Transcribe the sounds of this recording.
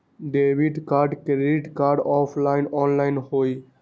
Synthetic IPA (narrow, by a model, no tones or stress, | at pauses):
ɖeːʋiɖkaːɾɖkɾeiʈkaːɾɖɔːpʰlaɪnɔːnlaɪnɦoːi